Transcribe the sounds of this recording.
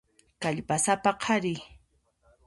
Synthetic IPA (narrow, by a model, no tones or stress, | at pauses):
kaʎpasapaqʰɑɾɪ